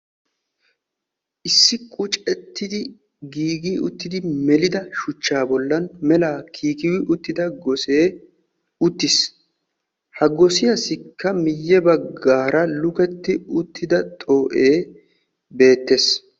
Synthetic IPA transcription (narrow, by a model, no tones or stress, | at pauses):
ʔɪsːɪkʼʊt͡ʃʼɛt̪ːɪd̪ɪ | ɡiːɡiːʊt̪ːɪd̪ɪmɛlɪd̪ɐʃʊt͡ʃːaːbɔlːɐnmɛlaːkʰiːkɪwɪʔʊt̪ːɪd̪ɐɡɔseː | ʊt̪ːɪs | hɐɡɔsɪjɐsɪkːɐmɪjːɛbɐɡːaːɾɐlʊkɛt̪ːɪʊt̪ːɪd̪ɐt̪ʼo̞ːʔe̞ː | be̞ːt̪ːe̞s